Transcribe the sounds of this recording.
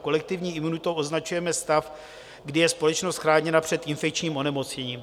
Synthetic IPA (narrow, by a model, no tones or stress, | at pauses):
ko̞lɛk̚t̪ɪvɲiːɪmunut̪owʔo̞znat͡ʃujɛmɛst̪af | ɡdɪjɛspo̞lɛt͡ʃnost̪xɾaːɲɛnapr̥ɛt̪ʔɪnfɛkt͡ʃɲiːmʔo̞nɛmo̞t͡sɲɛɲiːm